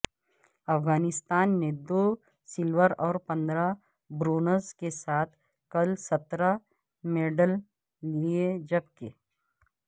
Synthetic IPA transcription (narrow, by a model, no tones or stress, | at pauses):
ɐfɣaːnɪst̪aːnːed̪oː | sɪlʋəɾɔːɾpɐ̃nd̪ɾa | bɾoːnəɾzkesaːt̪ʰ | kɐlsɐt̪ɾa | meːɖəl | lied͡ʒɐb̚ke